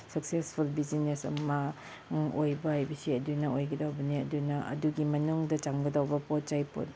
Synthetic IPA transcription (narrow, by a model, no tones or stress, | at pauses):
sɐk̚sespʰulbizinesɐ̰mɐ | ʔojbɐhajbɐsiɐdunɐojɡɐdawbɐniɐ̰dunɐʔɐ̰duɡimɐnuŋdɐt͡ʃaŋɡɐdawbɐpot̚t͡ʃajpo̰t̚